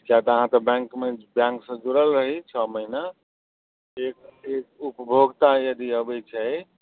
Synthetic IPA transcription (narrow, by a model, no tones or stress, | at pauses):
kjat̪ɔəɦãt̪əbɛ̃ŋkmebjãŋksə̃d͡ʒuɾəlɾəɦit͡ʃʰɔməɦina | ekek̚upəbʱoɡt̪ajəd̪iəbɛjt͡ʃʰɛj